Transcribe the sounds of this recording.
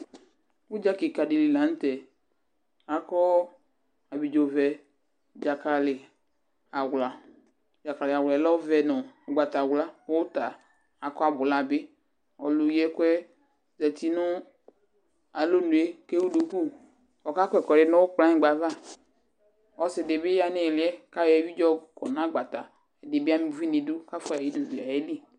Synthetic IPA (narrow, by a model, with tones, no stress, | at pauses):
wu˦d͡ʒa˦ki˨ka˨de˨li˨lã˨˦n̩˦tɛ˨ | a˨kɔ˦ | a˨bi˨d͡ʒo˨vɛ˨ | d͡ʒa˨ka˨lɪ˨ | a˨wla˨ | d͡ʒa˨ka˨lɪ˨a˨wllɔ˦vɛ˨nʊ˨ɡ͡ba˨ta˨wla˦o˦ta˨ | a˨kɔ˦a˨bʊ˨la˨bɪ˦ | ɔ˨lu˨ji˦ɛ˦kwɛ˦ | zɛ˨ti˨˦nʊ˦ | a˨lo˦nu˨e˦ke˦wu˦du˨ku˦˨ | ɔ˨ka˦kʷɛ˨kɔ˨ɾɪ˨nʊ̃˦wʊ˦k͡plã˦ɲɪ̃˨˦ɡ͡ba˨va˦ | ɔ˨sɪ˨dɪ˨bɪ˦ja˦nɪ˦˨lɪ˨˦ɛ˦ka˦jɛ˨˦wi˦d͡ʒɔ˦˨kʰɔ˨nã˦ɡ͡ba˨ta˨ | ɛ˨de˨bɪ˦a˦mi˦˨vi˦ni˨du˦ka˦fa˨ji˦du˨bi˨a˨e˦li˦